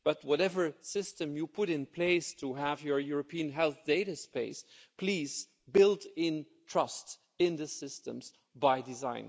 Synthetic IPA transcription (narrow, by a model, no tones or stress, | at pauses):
b̥ʌt̚wʌɾɛvə˞sɪstɨ̃mjɨpʰʊɾɪ̃npʰl̥eɪstʰuəvjə˞jʊɹɨpʰiɨ̃nɦɛlˠθd̥eɪɾɨspeɪspʰl̥iz̥ | bɪlˠdɪ̃n | tʰɹ̥ʌsts | ɪ̃nðɨsɪstə̰̃mz̥ | baɪdɨzã̰ɪ̃n